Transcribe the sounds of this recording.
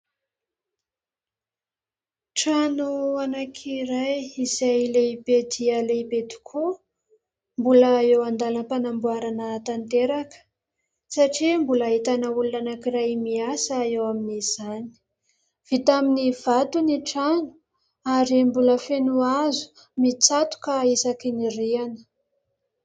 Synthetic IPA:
ʈ͡ʂanuanakʰiɾajizajleipet̪ialeipet̪i̥kʰu | mbuləːewand̪aləpanambuaɾanət̪ant̪eɾakə̥ | saʈ͡ʂimbulaɦit̪anəulunanakirajmiasəewaminiz̥ani̥ | v̥it̪aminiv̥at̪uniʈ͡ʂanu̥ | aɾimbuləfenuazu̥ | mit͡sat̪u̥kaisakinirianə̥

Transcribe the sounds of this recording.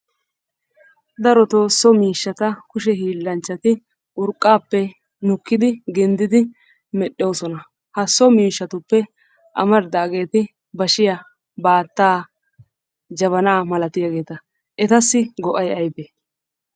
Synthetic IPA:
d̪ɐɾɔt̪oːsɔmiːʃːɐt̪ɐkʊʃ̬ɛɦiːlːɐnt͡ʃːɐt̪ɪ | ʔʊɾkʼːaːpːɛ | nʊkːɪd̪ɪɡɛnd̪ɪd̪ɪ | mɛɗːowːsɔnɐ | hɐsɔmiːʃːɐt̪ʊpːɛ | ʔɐ̰mɐɾd̪aːɡe̞ːt̪ɪ | bɐʃɪjɐ | baːt̪ːaː | d͡ʒɐβɐnaːmɐlɐt̪ɪjaɡe̞ːt̪ɐ | ʔɛt̪ɐsːɪɡɔʔɐjɐjbeː

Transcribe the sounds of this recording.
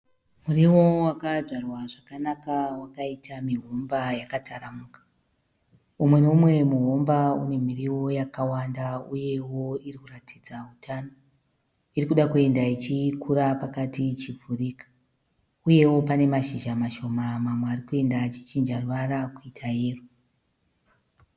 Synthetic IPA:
muriwo̞wakaʐarwaʐakanakawakaitamiɦo̞mbajakatʰaɾamuːkḁ | umwe̞neumwe̞muɦo̞mbaṵne̞miriwo̞jakawandauje̞wo̞irikuratʰid͡zautʰano̞ | irikuɗakue̞ndait͡ʃikʰuɾapakatit͡ʃib͡vʱurikḁ | uje̞wo̞pane̞maʃiʒamaʃo̞mamamweaːrikue̞ndat͡ʃi̥t͡ʃind͡ʒaruʋaɾakuitʰaje̞ːru

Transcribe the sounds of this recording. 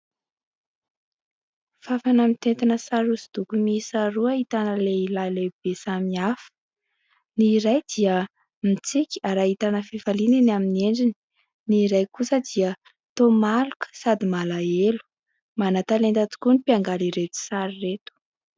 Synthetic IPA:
fafanamit̪ent̪inəsaɾusi̥d̪̥ukumisaɾuəit̪anəleilaleb̥esamiafə̥ | niːɾajd̪̥iə | mit͡sikʲiaɾait̪anəfefalinenaminieɳɖ͡ʐini̥ | niːɾajkusəd̪iə | t̪omalukə̥sad̪imalaelu̥ | manat̪alent̪at͡s̪u̥kunipiaŋɡaliɾet̪u̥saɾiret̪u̥

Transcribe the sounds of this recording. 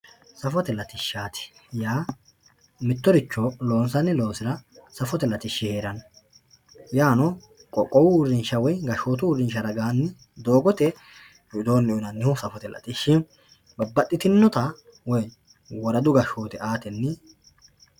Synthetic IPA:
sɐfɔt̪ɛlːɐt̪ɪʃːaːt̪ɪ̥jaː | mɪt̪ːɔɾɪt͡ʃːoːlo̞ːnsɐnːɪlo̞ːsɪɾɐsɐfɔt̪ɛlɐt̪ɪʃːɪheːɾɐn | jaːnɔ | kʼɔkʼːɔwʊwʊɾːɪnʃɐwɔjɡɐʃoːt̪ʊʊɾːɪnʃɐɾɐɡaːnːɪ | d̪o̞ːɡɔt̪ɛ | ʊd̪o̞ːnːɪʊnɐnːɪhʊsɐfɔt̪ɛlːɐ̰t̪ɪʃɪn | bɐbːɐt̪ʼːɪt̪ɪnːɔt̪a | wɔj | wɔɾɐd̪ʊɡɐʃoːt̪ɛʔaːt̪ɛnːɪ

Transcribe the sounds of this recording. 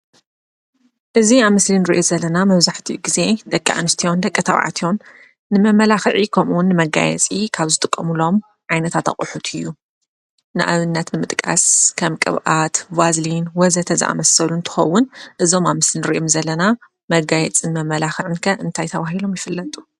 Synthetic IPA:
ʔɨziaβmɨslinɨɾḭʔozɐlːɐnamɐβzaħt̪ʰiɡize̞d̪ɐkʼːaʔa̰nɨst̪ʰiond̪ɐkʼːɐt̪ʰɐ̰βʕa̰t̪ʰio̞nː | ɨmɐmːɐlaxʕikʰɐmʔunːɨmɐɡa̰jɛ̰t͡sʼikʰaβzɨt̪ʼɨkʼːɐmulo̞m | ʕajnɐt̪ʰat̪a̰χʼʊħut̪ʰɨjːu | nɨʔa̰βɨnːɐt̪nɨmɨt̪ʼkʼa̰skʰɐmkʼɨ̰βʔat̪vazlinwɐzɐt̪ʰɐzɨ̰ʔa̰mɐsɐlunt̪ʰɨ̥xɐwʊnʔɨzo̞maβmɨslinɨɾḭʔomzɐlːɐna | mɐɡajɛt͡sʼinmɐmːɐlaxʕɨnkʰɐʔɨnt̪ʰajt̪ʰɐβahilo̞mjɪfɨlːɐt̪ʼu̥

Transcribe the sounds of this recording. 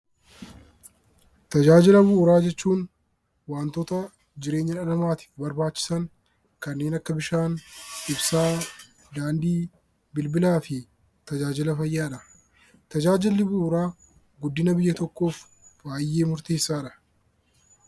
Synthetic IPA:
t̪ɐd͡ʒaːd͡ʒɪlɐbʊʔːɾaːd͡ʒɛt͡ʃːuːn | waːnt̪oːt̪ɐ | d͡ʒɪɾe̞ːɲːɐᶑɐnɐmaːt̪ɪ̥fbɐɾbaːt͡ʃːɪ̥sɐŋ | kɐnːeːnɐkːɐbɪʃaːnɪbsaː | d̪aːnd̪iː | bɪlbɪlaːfɪ | t̪ɐd͡ʒaːd͡ʒɪlɐfɐjːaːᶑɐ | t̪ɐd͡ʒaːd͡ʒɪlːɪbʊʔuːɾaː | ɡʊd̪ːɪnɐbɪjːɐt̪ɔkːo̞ːf | baːjːe̞ːmʊɾt̪e̞ːsːaːᶑɐ̥

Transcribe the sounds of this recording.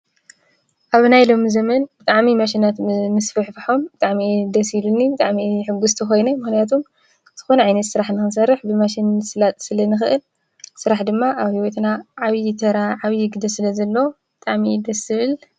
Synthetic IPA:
ʔaβnajlo̞mizɐmɐnb̥ɨt̪ʼaʕmimaʃinat̪mɨsfɨħfaħombɨt̪ʼaʕmid̪ɐsilunːibɨt̪ʼaʕmiħɨɡːust̪ʰɐxo̞jnɐmɨxnijat̪ʰum | zʰɨxunʕajnɐt̪sɨɾaħnɨxɨnsɐrːɨħbɨmaʃɪnsɨlat̪ʼsɨlɐnɨxɨʔɨl | sɨɾaħd̪ɨmːaʔaβhiwot̪naʕaβit̪ʰɐɾaʕaβɨɡɨd̪ɐsɨlɐzɐlːobɨt̪ʼaʕmid̪ɐsɨβɨl

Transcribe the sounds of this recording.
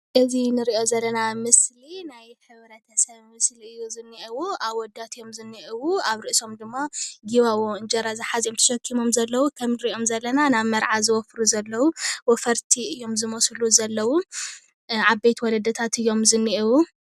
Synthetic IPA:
ʔɨzinɨɾiʔo̞zɐlːɐnamɨslinajħɨβɾɐt̪ʰɐsɐβmɨsliɨjːuzɨnːiʔɨwuaβwɔd̪ːat̪ʰɨjo̞mzɨnːiʔɨwuaβɾɨʔso̞md̪ɨmːaɡiβawuɨnd͡ʒɐɾazɨħaziʔomt̪ʰɐ̥ʃɐkʰːimo̞mzɐlːɐwukʰɐmnɨɾiʔo̞mzɐlːɐnanaβmɐɾʕazɨwɔfɾuzɐlːɐwuwɔfɐɾt̪ʰiɨjːo̞mzɨmɐsluzɐlːɐwu | ʕaβbe̞t̪wɔlɐd̪ɐt̪ʰat̪ɨjːo̞mzɨnːiʔɨwu

